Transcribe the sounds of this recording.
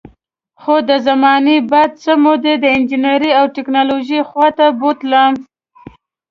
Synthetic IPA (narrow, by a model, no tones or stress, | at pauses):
xod̪əzamɑnebad̪̚t͡səmod̪ed̪əɪnd͡ʒineɾiawʈɪknɑloʒixwɑt̪abot̪lam